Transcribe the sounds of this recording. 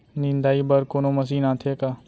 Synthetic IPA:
nɪ̃nd̪aːibɐɾkoːnomɐs̬iːnaːt̪ʰekaː

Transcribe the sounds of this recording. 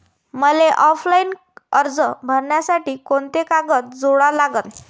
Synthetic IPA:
məleʔɔflain | əɾd͡zəbʱəɾɳjasaʈiːkoɳt̪ekaɡət̪̚d͡zoɽalaɡət̪

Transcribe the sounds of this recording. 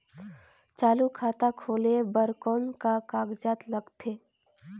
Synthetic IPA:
t͡ʃaːlukʰaːt̪akʰoːlebəɾkɔːnkakaːɡd͡ʒaːt̪ləɡt̪ʰeː

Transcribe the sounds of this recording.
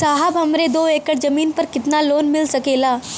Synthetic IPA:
saːɦəbɦɐmɾed̪oːeːkəɽd͡ʒɐmiːnpɐɾkɪt̪naloːnmɪlsɐkeːlaː

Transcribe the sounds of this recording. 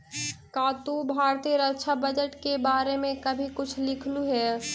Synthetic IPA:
kaːt̪ubʱaːɾt̪iːəɾəkʃʰabəd͡ʒəʈkebaːɾemẽkɐbʱikʊt͡ʃʰlɪkʰluɦɛː

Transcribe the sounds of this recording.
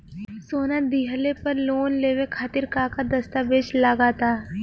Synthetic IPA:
soːnad̪iːɦəlepɐɾloːnleːʋekʰaːt̪ɪɾkaːkad̪ɐst̪abeːd͡ʒlaːɡaːt̪aː

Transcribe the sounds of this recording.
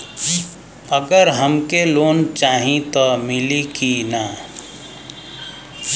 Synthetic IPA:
əɡəɾɦəmkeloːnt͡ʃaɦĩt̪ɔmilikina

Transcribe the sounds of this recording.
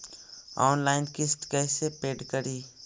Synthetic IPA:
ɔ̰ːnlaːɪnkɪst̪kɛːsepeːɖkəɾiː

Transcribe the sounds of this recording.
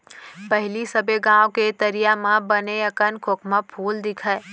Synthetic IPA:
pɐɦɪlisɐbeɡãːwket̪ɐɾijamãbɐneɐkənkʰokʰmə̃pʰuːld̪ɪkʰae

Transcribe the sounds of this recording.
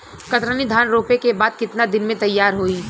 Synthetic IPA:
kɐt̪ɾənid̪ʱaːnɾoːpekebaːd̪̚kɪt̪nad̪ɪnmẽt̪ɐjːaːɾɦoiː

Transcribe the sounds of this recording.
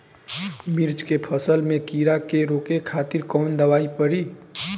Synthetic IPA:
miɾd͡ʒkepʰəsəlmẽkiɾakeɾoːkekʰaːt̪iɾkɔːnd̪əʋaːipəɽi

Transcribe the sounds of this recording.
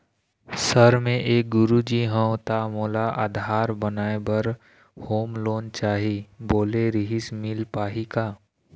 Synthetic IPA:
səɾmẽʔeːk̚ɡʊɾud͡ʒiɦə̃wt̪amoːlaʔa̰ːd̪ʱaːɾbənaːebɐɾ | hoːmloːnt͡ʃaːɦiboːleɾɪɦɪsmɪlpaːɦikaː

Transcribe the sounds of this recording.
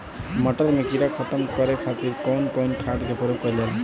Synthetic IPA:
mʌʈəɾmekiɾakʰʌt̪əmkɔɾekʰat̪iɾkɔwnkɔwnkʰad̪kepɔɾekɔlel

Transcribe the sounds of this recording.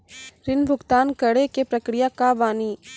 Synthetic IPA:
ɾɪnbʱʊɡt̪aːnkɐɽekepɾɐkɾɪjakaʋaːniː

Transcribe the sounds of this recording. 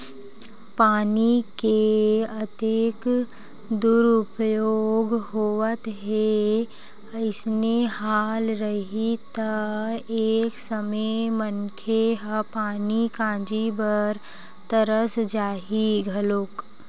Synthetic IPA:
paːnikeət̪eːk | d̪uːɾʊpjoːɡɦoːʋət̪ɦe | əɪsnehaːlɾəɦit̪ɐeːksəmemənkʰeɦpaːnikãːd͡ʒibəɾ | t̪əɾəsd͡ʒaːɦiɡʱɐloːk

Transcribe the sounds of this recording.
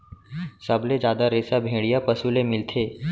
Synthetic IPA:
səbled͡ʒjaːd̪aɾeːsabʱẽːɽijapəsulemɪlt̪ʰeː

